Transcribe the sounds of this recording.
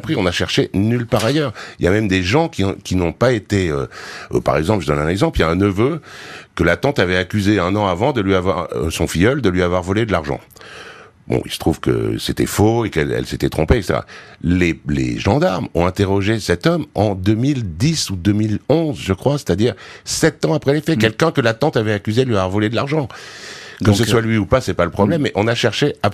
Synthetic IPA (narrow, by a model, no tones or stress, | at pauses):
pχiɔ̃naʃɛʁʃenylpaʁajœːʁḭljamɛmd̪eʒɑ̃kʲĩkʲinɔ̃paet̪eøøpa̰ʁɛɡzɑ̃plʒəd̪ɔnɛ̃nɛɡzɑ̃pljaɛ̃nəvøkəlat̪ɑ̃t̪avɛakʲyzeɛ̃nɑ̃avɑ̃d̪əlɥiavwaʁ̰sɔ̃fijɔld̪əlɥiavwaʁvɔled̪əlaʁʒɑ̰̃ | bɔ̰̃ḭlsə̥t̪χuv̥kə̰set̪ɛ̰foekɛ̰lɛ̰lset̪ɛt̪χɔ̃peɛkse̥t̪ḛʁa̰lelḛʒɑ̃d̪aʁmɔ̃ɛ̃t̪eʁɔʒesɛt̪ɔmɑ̃d̪ømild̪isud̪ømilɔ̃zʒəkχwase̥t̪ad̪iʁsɛt̪ɑ̃apχɛlefɛkʲɛlkʲɛ̃kəlat̪ɑ̃t̪avɛakʲyzed̪əlɥiavwaʁvɔled̪əlaʁʒɑ̃ | kəsəswalɥiupasɛpaləpχɔblɛmːɛʔɔ̃naʃɛʁʃeap